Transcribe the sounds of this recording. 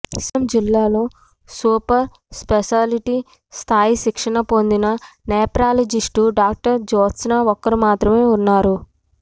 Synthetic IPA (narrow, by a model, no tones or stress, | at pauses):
isɐmd͡ʒilːaːloː | suːpɐɾ | speʃaːliʈi | st̪ʰaːjiʃikʂɐɳɐpo̞nd̪inɐneːpɾaːlod͡ʒiʂʈuɖaːk̚ʈɐɾd͡ʒoːt̪snaːɔkːɐɾimaːt̪ɾɐme̞ːunːaːɾu